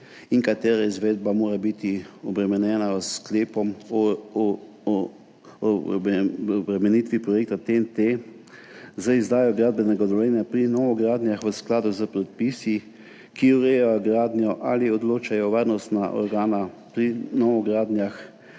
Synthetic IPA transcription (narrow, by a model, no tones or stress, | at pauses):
iŋkat̪eːɾaizʋeːd̪bamoːɾabit̪iɔbɾɛmɛnjɛːnaskleːpɔm | bɾɛmɛnit̪ʋipɾɔjeːk̚t̪at̪ent̪e | zəizd̪aːjjɔɡɾad̪̚bɛnɛɡad̪ɔʋjɛːnjapɾinɔʋɔɡɾaːd̪njaxʋəsklaːd̪uzəpɾɛt̪̚pisi | kiuɾejajɡɾaːd̪njɔʔaliɔd̪loːt͡ʃajɔʋaːɾnɔst̪naʔɔ̰ɾɡaːna | pɾinɔʋɔɡɾaːd̪njax